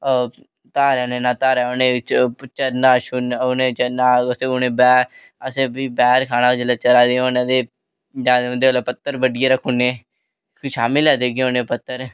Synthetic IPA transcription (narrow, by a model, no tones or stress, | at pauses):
oː | t̪aːɾːneːnaːt̪aːɾɛːonẽːt͡ʃpt͡ʃəɾnaːʃunonet͡ʃnaːəseːoneːbɛːɾ | əseːbibɛːɾkʰaːnaːd͡ʒəlaːt͡ʃəɾaːd̪eːonẽd̪eː | d͡ʒaːd̪eʊ̃nd̪eːlaːpət̪ːəɾbəɖɪjeːɾəkʰːʊnːeː | kʃaːmɪlɛːd̪eːɡeonẽːpət̪ːəɾ